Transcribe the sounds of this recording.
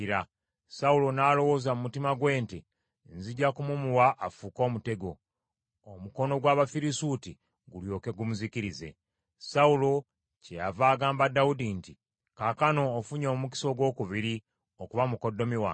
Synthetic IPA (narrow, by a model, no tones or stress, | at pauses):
ɾa | saulo̞naːlo̞wo̞ːzamumutimaɡwe̞ːnti | nziɟakumumuwaʔːfuko̞ːmute̞ɡo̞ | omuko̞no̞ɡwaːβafiɾisuti | ɡuljo̞ːke̞ɡumuziciɾize̞̰ | saulo̞ | ceja̰vaːɡaːmbadaudinti | kakano̞ːfuɲo̞ːumuk̬i̥so̞ɡwo̞ːkuβiɾi | okuβamuko̞dːo̞miwa̰